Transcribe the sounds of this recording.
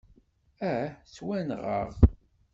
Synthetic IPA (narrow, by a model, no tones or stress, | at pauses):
æt͡swænʁə̰ʁ